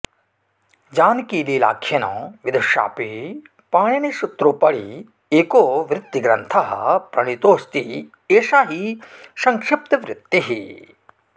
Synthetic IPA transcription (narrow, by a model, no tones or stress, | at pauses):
d͡ʒaːnkiːliːla̰ːkʰjɐnõ̰ːʋid̪uʃa̰ːpi | paːɳɐniʃut̪ɾupɐɽi | eːkoːʋɾɪt̪ːiɡɾɐnt̪ʰɐɦɐ̰pɾɐɳ̃it̪oːst̪i | eːʃaːɦisɐŋkʂep̚t̪ɐʋɾɪt̪ːiɦi